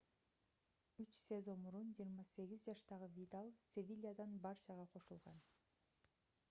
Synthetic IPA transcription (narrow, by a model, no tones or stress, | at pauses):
yt͡ʃsʲezomuɾund͡ʒiːɾmɑse̞ɡizd͡ʒɑʃt̪ɑʁɯvʲit̪alˠsʲevʲilʲijad̪ɑnbɑɾt͡ʃɑʁɑqʰo̞ʃulˠʁɑn